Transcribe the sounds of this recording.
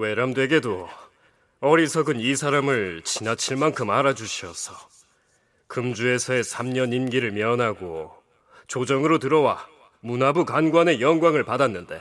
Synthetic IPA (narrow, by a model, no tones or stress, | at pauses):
we̞ɾamdwe̞ɡe̞do | ʌɾisʰʌɡɯnisʰaɾamɯɭt͡ɕinat͡ɕʰiɭmankʰɯmaɾad͡ʑuɕʰiʌsʰʌ̥ | kɯmd͡ʑue̞sʰʌe̞sʰamɲʌninɡiɾɯɭmjʌʌnɦaɡo | t͡ɕod͡ʑʌŋɯɾotɯɾʌwa | munabukanɡwane̞jʌŋɡwaŋɯɭpadanːɯnde̞̰